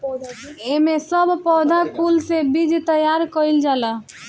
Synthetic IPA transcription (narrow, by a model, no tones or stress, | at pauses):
emesəbpɔd̪ʱakulsebid͡ʒt̪əjaɾkəild͡ʒalə